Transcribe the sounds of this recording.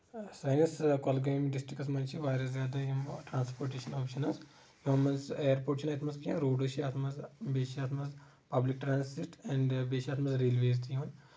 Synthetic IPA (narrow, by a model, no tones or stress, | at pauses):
saːjnɐskolɡeːmɖisʈɾikɐs̬mɐnt͡ʃʰiʋaːɾɐszʲaːd̪ɐjumʈɾãːnspoːɾʈeːʃɐnoːpʃɐnɐz | juɐmɐzeːɾpoːʈʃʰɐnɐːt̪ʰmɐsɡiɐ̃ɾoːɖoʃiaːt̪ʰmɐzbeːʃiaːt̪ʰmɐz | pɐblik̚ʈɾaːnsiʈɛ̃ɳɖbeːʃaːt̪ʰmɐzɾeːlʋeːzt̪ijʋɐn